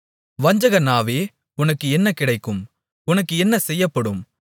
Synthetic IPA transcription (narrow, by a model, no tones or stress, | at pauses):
ʋɐɲd͡ʒɐɣɐnaːʋeː | ʊnɐkːɯɛnːɐkɪɽɐɪkːɯm | ʊnɐkːɯɛnːɐsɛjːɐpːɐɽɯm